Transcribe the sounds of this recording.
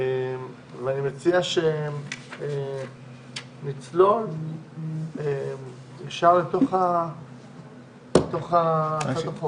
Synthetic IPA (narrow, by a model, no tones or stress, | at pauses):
em | veanimet͡siaʃe | e | mit͡slo̞l | e | jaʃaʁlet̪o̞χa | let̪o̞χaatapo